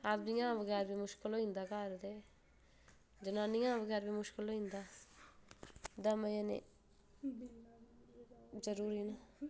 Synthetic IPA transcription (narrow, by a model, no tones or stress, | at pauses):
abd̪iãːʋəɡɛːɾbiːmʊʃkɪloːɪ̃ːnd̪aːkaːɾd̪eː | d͡ʒənãːnĩãːʋəɡɛːɾbiːmʊʃkɪloːɦĩnd̪aː | d̪əməjanḛ | d͡ʒəɾuːɾina